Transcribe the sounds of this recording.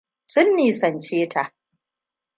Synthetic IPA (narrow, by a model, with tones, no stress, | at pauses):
sʊ˦nːiː˨sɐ˨nt͡ʃeː˦tʰa˨ʔ